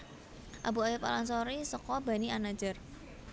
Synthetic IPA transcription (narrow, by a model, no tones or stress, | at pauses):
ʔabuajipa̰laŋsoɾisəkɔb̥a̤nianḁd͡ʒə̤r